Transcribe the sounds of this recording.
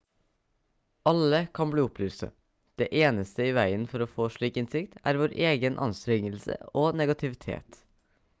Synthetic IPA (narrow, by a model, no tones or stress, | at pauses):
ɑləkʰɑnbliːʊplʉːst̪ə̰ | d̪̥eːʔeːnəst̪əiːʋæɪənfɔɾoːfoːʂɭiːkɪnsɪkt̪æ̰ːɾʋoːɾʔeːɡənʔɑ̰nst̪ɾɛŋəlsə̰oːnɛɡɑt̪ʰɪʋɪt̪ʰḛːt̪